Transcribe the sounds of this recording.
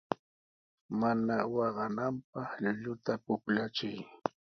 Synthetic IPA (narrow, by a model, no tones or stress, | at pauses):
manawɑɢɑnampɑχʎʊʎʊt̪apʊklat͡ʃʊj